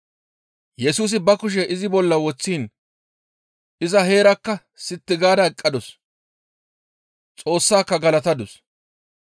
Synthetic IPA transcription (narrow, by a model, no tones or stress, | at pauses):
jɛsuːs̬ɪbɐkʊʃ̬ɛʔɪzɪbɔlːɐwɔt͡sːiːn | ʔɪzɐɦe̞ːɾɐkːɐ | sɪt̪ːɪɡaːd̪ɐɛkʼːɐd̪ɔs | t͡sʼo̞ːsːaːkːɐɡɐlɐt̪ɐd̪ʊs